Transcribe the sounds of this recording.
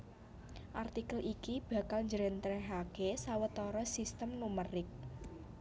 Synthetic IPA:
ʔart̪ikəlʔikib̥ä̤kalɲd͡ʒəɾɛnt̪ɾɛɦakesawət̪ɔɾɔsist̪əmnumərɪk̚

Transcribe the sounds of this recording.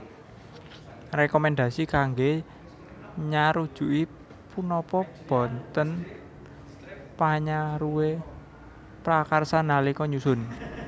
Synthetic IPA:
rekɔmɛnd̪ä̤sikaŋɡe | ɲaɾud̥ʒ̥ṳʔi | punɔpɔb̥ɔ̤nt̪ən | paɲaɾuwe | pɾakarsanalikɔɲusʊn

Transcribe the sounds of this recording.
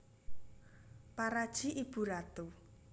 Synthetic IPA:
paɾad̥ʒ̥i̤ʔib̥ṳɾat̪u

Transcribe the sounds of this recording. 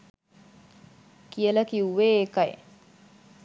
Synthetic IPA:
kijələkiuʋeːkɐj̰

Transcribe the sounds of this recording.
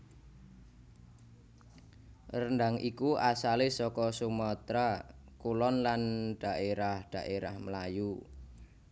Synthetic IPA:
rənd̪aŋikuasalesɔkɔsumɔt̪ɾakulɔnlanɖ̥a̤ʔeɾahɖ̥a̤ʔeɾahməlaju

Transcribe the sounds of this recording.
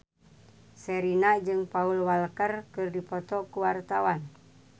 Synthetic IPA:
sɛɾinad͡ʒɨŋpaulwalkərkɨrdipɔt̪ɔkuwart̪awan

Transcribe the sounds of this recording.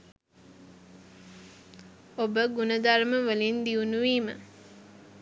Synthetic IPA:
obəɡunəd̪aɾməʋəlind̪iunuʋiːmə̰

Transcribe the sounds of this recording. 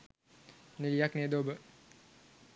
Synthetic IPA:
niljakned̪obə

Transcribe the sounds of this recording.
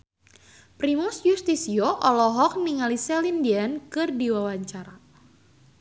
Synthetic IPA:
pɾimusjust̪isioʔɔlɔɦɔk̚niŋalisɛlindiankɨrdiwawaɲt͡ʃaɾa

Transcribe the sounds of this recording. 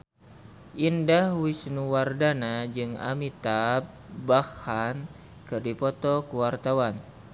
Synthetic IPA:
ʔindahwisnuwardanad͡ʒɨŋa̰mit̪ap̚ | bahan | kɨrdipɔt̪ɔkuwart̪awan

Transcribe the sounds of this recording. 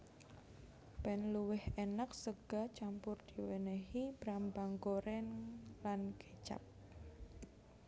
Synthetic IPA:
pɛnluwɪhenak̚səɡ̥a̤t͡ʃampʊrd̪̥iweneɦib̥ɾambaŋkoɾɛnlanket͡ʃa̰p̚

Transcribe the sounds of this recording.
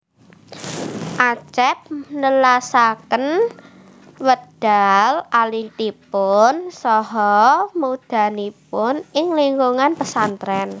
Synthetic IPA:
ʔat͡ʃɛp̚nəlasakən | wəd̥alalit̪ipʊnsɔɦɔmud̪̥a̤nipʊnɪŋliŋɡuŋanpəsant̪ɾɛn

